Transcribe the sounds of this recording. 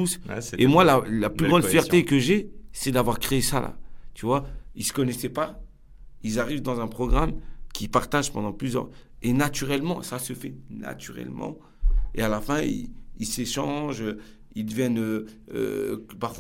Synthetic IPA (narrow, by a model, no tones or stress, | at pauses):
usemwalalaplyɡʁɑ̃d̪ffjɛʁekəʒesɛd̪avwaʁkχeesalʔa̰t̪yvwailsə̥kɔnɛsɛpa | ilzaʁivd̪ɑ̃zɛ̃pχɔɡʁamkʲʰipaʁt̪aʒpɑ̃d̪ɑ̃plyzjœ̰ʁ | enat̪yʁɛlmɑ̃sasəfɛna̰t̪yʁɛ̰lmɑ̰̃ | ealafɛ̃ḭilseʃɑ̃ʒø | ild̪əvjɛnø | ø̰paʁfw